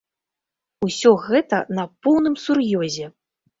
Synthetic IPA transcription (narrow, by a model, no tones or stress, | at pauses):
usʲɔɣɛt̪ɐnɐpɔwnɨmsurjɔzʲɛ